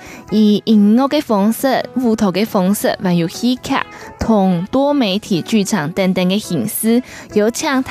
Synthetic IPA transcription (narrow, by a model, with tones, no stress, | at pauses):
i˨˩i˨˩ŋːo˥˧ke˥fɔ˧˥ŋsə˥˧vu˥˧t̪ʰo˨˩ke˥fɔ˧˥ŋsə̰˥˧˨wa˨˥nju˨˩xi˥kʰa̰˥˨˩t̪ʰʊ˨˩ŋt̪wɔ˥me˧˥ɪt̪ʰi˨˩t͡ɕy˥˩ʈ͡ʂʰɑ˨˩ŋt̪a˥˧nt̪a˥˧nke˧xi˨˩ŋs̩˥jo˧˥ʊt͡ɕʰjɑ˥˧ŋt̪ʰ